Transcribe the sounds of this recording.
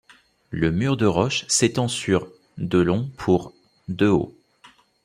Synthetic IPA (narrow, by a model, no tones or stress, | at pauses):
ləmyʁd̪əʁɔʃset̪ɑ̃syʁ | d̪əlɔ̃pʰuʁ | d̪øo̰